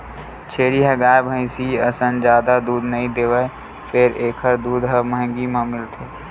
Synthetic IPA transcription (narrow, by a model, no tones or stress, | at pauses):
t͡ʃʰeːɽiɦəɡaːjbʱə̃ɪsiəsənd͡ʒaːd̪ad̪uːd̪nəɦĩd̪eːʋə | fʰeɾeːkʰəɾd̪uːd̪ɦəməɦɡimãmɪlt̪ʰeː